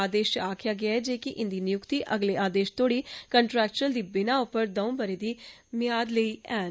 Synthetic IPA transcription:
aːd̪eːʃaːkʰɪjaːɡɪaːɛːd͡ʒeːkɪʔɪnd̪iːnɪjʊkt̪iːʔəɡleːaːd̪eːʃt̪ʰoːɽiːkəɳʈɾɛːk̚t͡ʃəɾəld̪iːbɪnaːʊpəɾd̪əũːbəɾeːd̪iː | mɪjaːd̪ləiːɛːn

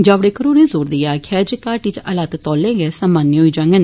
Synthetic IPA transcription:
d͡ʒaːʋɽeːkəɾoːnẽːzoːɾd̪ijaːkʰɛːd͡ʒkaːʈit͡ʃəlaːt̪t̪ɔːlẽːɡɛːsaːmaːnːeɦoiːd͡ʒãːŋɡən

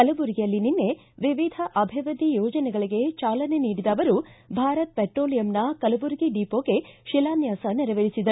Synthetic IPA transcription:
kɐlɐbuɾɡijɐlːininːe̞ | ʋiʋid̪ʱɐʔɐbʱiʋɐd̪ʱijoːd͡ʒɐnɛɡɐɭiɡe̞t͡ʃaːlɐne̞niːɽid̪ɐːʋɐɾubʱaːɾɐt̪̚peʈɾoːlijɐmnɐkɐlɐbuɾɡiɖiːpoːɡe̞ʃilaːnjaːsɐnɛɾɐʋeɾisid̪ɐɾu

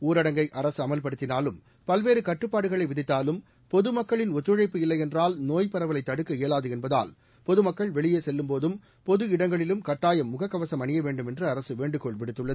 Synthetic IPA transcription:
uːɾɐɽɐŋɡɐɪʔɐɾɐsɯɐmɐlpɐɽɯt̪ːɪnaːlɯm | pɐlʋeːɾɯkɐʈrɯpːaːɽɯɣɐɭɐɪʋɪðɪt̪ːaːlɯm | pɔðɯmɐkːɐɭɪnɔt̪ːɯɻɐɪpːɯɪlːɐɪjɛndraːlnoːjpɐɾɐʋɐlɐɪt̪ːɐɽɯkːɯeːlaːðɯɛnbɐða̰ːl | pɔðɯmɐkːɐɭʋɛɭɪjeːsɛlːɯmpoːðɯm | pɔðɯɪɽɐŋɡɐɭɪlɯmkɐʈːaːjɐmːʊɣɐkːɐʋɐsɐmɐnɪjɐʋeːɳɖɯmɛndrɯɐɾɐsɯʋeːɳɖɯkɔɭpɪɽɯt̪ːɯɭːɐð

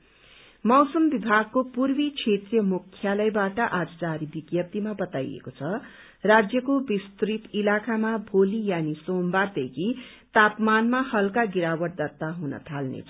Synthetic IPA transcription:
mʌwsʌmbibʱaɡ̚kːopurbikʰet̪rijʌmukʰːjalʌjbaʈʌʔad͡zd͡zaɾibiɡjʌp̚t̪imabʌt̪ajḛkot͡sʰʌ | rad͡zjʌkobist̪rit̪ilakamabʱolijanisombard̪ekʰi | t̪apmanmahʌlkaɡiɾawʌʈ̚d̪ʌt̪ːaɦunʌ̰t̪ʰalnḛt͡sʰʌ

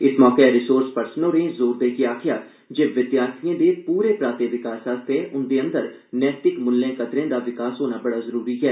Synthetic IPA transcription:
ɪsmɔːkeɾɪsoːɾspəɾsnoɾẽzoːɾd̪eːkiaːkʰjaː | d͡ʒeːʋɪd̪jaːɾt̪ʰiẽd̪epuːɾepɾaːt̪eʋɪkaːsaːst̪ʰeʔʊnd̪eə̃nd̪əɾ | nɛːt̪ɪkmʊlːẽkɐd̪ɾẽd̪aʋɪkaːsɦoːnabɐɽazəɾuːɾiɦɛː

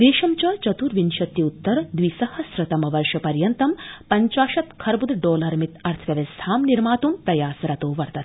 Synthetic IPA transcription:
d̪eːʃɐmt͡ʃɐt͡ʃɐt̪uːɾʋinʃɐt̪jiut̪ːɐɾɐd̪ʋisɐhɐsɾɐt̪ɐmɐʋɐɾʂɐpɐɾjɐnt̪ɐmpɐɲt͡ʃaːʃɐt̪kʰɐɾbud̪ɖoːlɐɾmit̪ɐɾt̪ʰʋjɐʋɐst̪ʰaːmniɾmaːt̪umt̪ɐjaːsɾɐt̪oːʋɐɾt̪ɐt̪

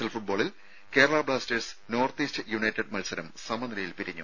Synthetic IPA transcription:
ɐlfuʈ̚boːɭil | ke̞ːɾɐɭaːbɭaːstesno̞ːrt̪iːstɨjuɳɐjtːeɖmɐlsɐɾɐmsɐmɐnd̪ɐɾɐjilpiɾiɲːṵ

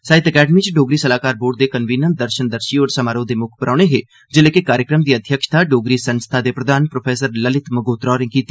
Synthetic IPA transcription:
saːɪt̪əkɛːɖəmiːt͡ʃɖoːɡɾiːsəlaːkaːɾboːɖ̚d̪eːkənʋiːnən̚d̪əɾʃənd̪əɾʃiːoːɾsəmaːɾõːd̪eːmʊkʰpəɾʔaːɽ̃eːɦeː | d͡ʒəleːkekaːɾjəkɾəmd̪iːəd̪ʱjəkʃt̪ʰaːɖoːɡɾiːsənst̪ʰaːd̪eːpɾəd̪aːnpɾoːpʰeːsəɾləlɪt̪məɡoːt̪ɾaːɾẽːkiːt̪e̥

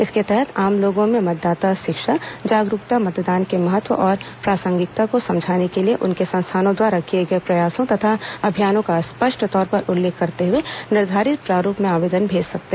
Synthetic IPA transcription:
ɪsket̪ɛɦɛt̪aːmloːɡõmẽmɐt̪̚d̪aːt̪aʃɪkʃad͡ʒaːɡɾʊkt̪amɐt̪d̪aːnkemɐɦət̪wə̰ʔɔːɾpɾaːsə̃ŋɡɪk̚t̪akosɐ̃md͡ʒʱaːnekelieʔʊnkesɐ̃nst̪ʰaːnõd̪waːɾakijeɡɐepɾɐjaːsõt̪ɐt̪ʰaɐbʱijaːnõkaspəʃʈʰt̪ɔːɾpɐɾʊlːeːkʰːɐɾt̪eɦʊenɪɾd̪ʱaːɾɪt̪̚pɾaːɾuːpmẽaːʋeːd̪ənbʱeːd͡ʒsɐk̚t̪e

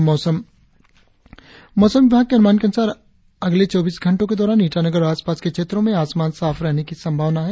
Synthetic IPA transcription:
mɔːsəm | mɔːsəmʋɪbʱaːɡ̚keɐnʊmaːnkeɐnʊsaːɾ | ɐɡlet͡ʃɔːbiːsɡʱɐ̃ɳʈõked̪ɔːɾaːniːʈʰanəɡəɾɾaːspaːskekʃeːt̪ɾõmẽaːsmaːnsaːfɾɛɦnekisɐ̃mbʱaːʋnaɦɛː

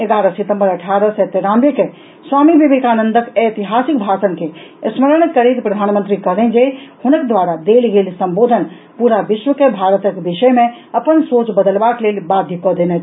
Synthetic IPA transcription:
eɡaːɾəsit̪ə̃mbəɾəʈʰaːɾəsɛt̪eɾaːneke | swaːmibibekaːnənd̪əket̪iɦaːsik̚bʱaːsənkeəsməɾəɽ̃kəɾit̪pɾəd̪ʱaːnmə̃nt̪ɾikəɦlẽd͡ʒehʊnəkd̪ʋaɾad̪elɡeːlsəmboːd̪ʱən | puɾaʋɪʃwəkebʱaɾət̪əkbiʃəjmẽəpənsoːt͡ʃbəd̪əlbakleːlbad̪ʱjikɔd̪enɛt͡ʃ

